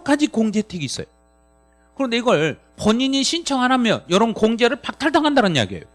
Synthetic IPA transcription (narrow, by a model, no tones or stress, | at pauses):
k͈ad͡ʑikoŋd͡ʑe̞tʰeɡiːs͈ʌjo | kɯɾʌnde̞iɡʌɭ | pʌɲiɲiɕʰint͡ɕʰʌŋɦanɦamjʌ̰njʌɾonkoŋd͡ʑe̞ɾɯɭpak̚tʰaɭdaŋɦandaɾɯnja̰ɡiḛjo